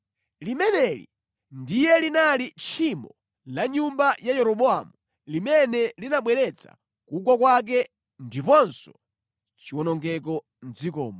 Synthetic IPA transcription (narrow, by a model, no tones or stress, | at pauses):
limɛnɛlḭ | ndijɛlinalit͡ʃʰimɔ | laɲumbajajɛɾɔɓɔamu | limɛnɛlinaɓwɛɾɛt͡sa̰ | kuk̬ɔk̬wak̬ɛ | ndipɔnsɔ | t͡ʃiwɔnɔŋɡɛk̬ɔ | n̩d͡zikɔ̰ːmɔ